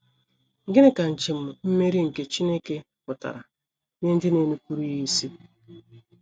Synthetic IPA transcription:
ŋ̩˨ɡe˦ne˦ka˨n̩˨t͡ʃe˨m̩˨m̩˦me˦ɾi˦ŋ̩˨ke˦t͡ʃi˦ne˦ke˦ | pʊ˨ta̰˨ɾa̰˨ | ne˦n̩˦dɪ˦ne˨nu˦kʷu˦ɾi˦ji˦si˦˨

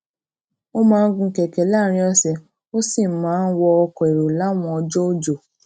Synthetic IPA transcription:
o˦mãː˦˧n̩˦ɡũ˧˨kɛ˨kɛ˨la˦˨ɾ̃ĩ˧˦ɔ˧sɛ˧ | o˦si˦˨mãː˨˦n̩˦wɔ˧ɔ˧kɔ˨e˨ɾo˨la˨˦˨w̃ɔ̃˧ɔ˧d͡ʒɔ˦o˦˨d͡ʒo˨

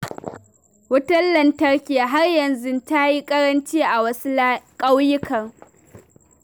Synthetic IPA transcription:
wʊ˦tɐ˦llɐ˨ntɐ˦rkʲe˨a˨ɦa˦rjɐ˨nzʊ˦nta˦ji˦kʼɐ˦ɾɐ˦nt͡ʃiː˦ʔa˨wɐ˦su˦kʼa˦wjɪ˦kɐ˨ŋ

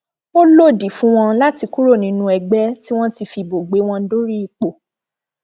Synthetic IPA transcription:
o˦lo˦˨di˨fũ˦w̃ɔ̃˧la˦ti˧ku˦ɾo˦˨nĩ˨˦nũ˧ɛ˧ɡ͡bɛ˦ti˦w̃ɔ̃˦ti˧fi˧bo˨ɡ͡be˨˦w̃ɔ̃˧˦do˦ɾi˦i˨k͡po˨

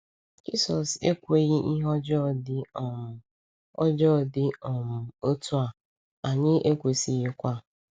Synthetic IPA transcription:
d͡ʒḭ˦sɔ˨sḛ˦kʷe˨ɣɪ˦ʔi˦ɦɔ˦d͡ʒɔ˦dɪ˦˨ | ɔ˦d͡ʒɔ˦˨dɪ˦ɔ˨m̩˨o˦tu˦a˨ | a˨ɲɪ˦ʔe˦kʷe˨si˨ɣɪ˦kʷa˦

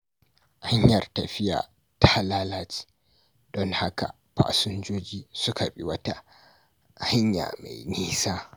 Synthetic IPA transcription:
ʔa˦ɲjɐ˨rta˨ɸi˦ja̰ː˨ | tʰa˦a˦laː˦laː˦t͡ʃi̥˦ | ɗɔ˦nha˦ka̰˨ | pa̰ː˨sʊ˦nd͡ʒoː˦d͡ʒiː˦sʊ˦kʰa˨ɓi˨wɐ˦ta˦˨ | ha˦ɲja̰˨ma̰˨jniː˦saː˦

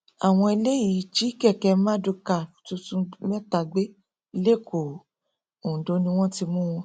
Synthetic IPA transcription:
a˨w̃ɔ̃˧i˧le˦ji˨˦t͡ʃi˨˦kɛ˦˨kɛ˧˦mã˦du˧ka˦˨tu˧tũ˨˦mɛ˦ta˧ɡ͡be˦ | i˧le˦˨ko˨ | õ˨do˨˧˦nĩ˧w̃ɔ̃˦ti˧mũ˦w̃ɔ̃˧

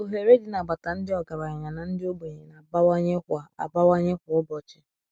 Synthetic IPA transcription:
o˨ɦe˨ɾe˦dɪ˨na˨ɡ͡ba˨ta˨n̩˦dɪ˦ɔ˨ɡa˨ɾa˨ɲ˨ɲa˨na˨n̩˦dɪ˦o˦bo˨ɲe˨na˨ba˦wa˦ɲe˦kʷa˨a̰˨ba˦wa˦ɲe˦kʷʊ˨ʊ˦bɔ˨t͡ʃɪ̥˦

